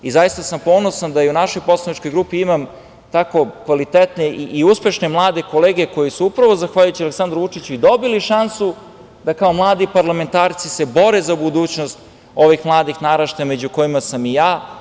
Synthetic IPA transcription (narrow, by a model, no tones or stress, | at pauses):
izajist̪asampo̞ːno̞sand̪ajeunaʃo̞jpo̞slˠanit͡ʃko̞jɡɾuːpiimam | t̪ako̞kʋalit̪et̪neʔiʔiuspe̞ʃne̞mlˠaːd̪e̞ko̞leːɡe̞ko̞jisuupɾaʋo̞zaxʋaːʎujut͡ɕialeksand̪ɾoʋut͡ʂit͡ɕuid̪o̞biliʃansu | d̪akaomlˠaːd̪ipaɾlˠame̞nt̪aːɾt̪sisebo̞ɾezabud̪uːt͡ɕnost̪ | o̞ʋixmlˠaːd̪ixnaɾaʃt̪ame̞d͡ʑuko̞jimasamijaː